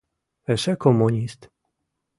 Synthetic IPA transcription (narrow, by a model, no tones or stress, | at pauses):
ɛʃɛkʰomuɲʲist̪